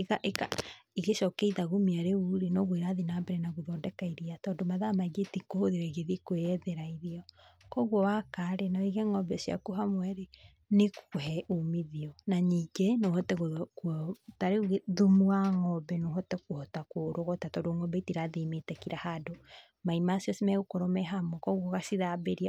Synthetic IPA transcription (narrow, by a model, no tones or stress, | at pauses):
eɣaʔeka̰iɣeʃɔkɛiðaɣomiaɾeuɾenɔɣweɾaðinaːbɛɾɛnaɣoðɔːndɛkaiɾiatɔdomaðamaiɡetikohoðiɾɛiɣeðikweɛðeɾaiðiɔkɔɣwɔwakaɾenaiɣɛŋɔbɛsia̰koɦamwɛɾe | nekɦɛumiðiɔnaɲiːɡenohotɛɣokuɔtaɾeɣeðumuaŋɔbɛnoɦɔtɛkuhɔtakoɾoɣɔtatɔdoŋɔbɛitiɾaðimetɛkiɾahado | maimasjɔsimɛɣokoɾɔmɛɦamwɔkɔɣɔɣasiðabeɾia